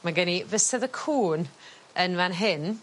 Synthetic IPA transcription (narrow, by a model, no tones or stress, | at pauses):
maɡənivəsɛðəkʰuːn | ənvanɦɪn